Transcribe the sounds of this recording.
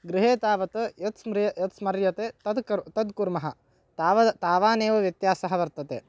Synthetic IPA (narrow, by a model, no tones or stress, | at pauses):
ɡɾɪɦeːt̪aːʋɐt̪ɐjɐt̪smɾjɐjɐt̪smɐɾjɐt̪eːt̪ɐd̪ɐt̪ɐd̪kuɾmɐɦɐ̆ | t̪ːʋɐt̪aːʋaːneːʋɐʋjɐt̪jaːsɐɦɐʋɐɾt̪ɐt̪ḛː